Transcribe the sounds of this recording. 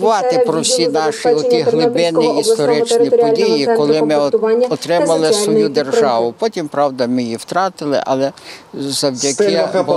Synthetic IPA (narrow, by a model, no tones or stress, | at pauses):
ʊʋɑt̪ɪpɾɔwsʲinɑʃiɔt̪ʲiɦlˠɪbɪniist̪ɔɾɪt͡ʃnʲipɔdʲijikɔlˠɪmɪɔt̪ɾɪmɐlˠɪsʋɔjud̪erʒɑʋʊpɔtʲimpɾɑwd̪ɐmɪjiwt̪ɾɑt̪ɪlˠɪ̰ʔɐlˠɛzɐwdʲɐkɪb